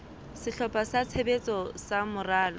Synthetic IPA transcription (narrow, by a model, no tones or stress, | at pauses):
sɪɬɔpʼasat͡sʰebet͡sʼɔsamʊraːlɔ